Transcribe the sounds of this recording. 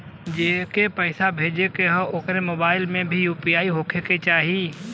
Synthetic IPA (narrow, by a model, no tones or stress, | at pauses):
d͡ʒeːkepəɪsabʱeːd͡ʒekeɦəoːkɾemoːbaːɪlmẽbʱijuːpijaːiɦokʰeket͡ʃaːɦii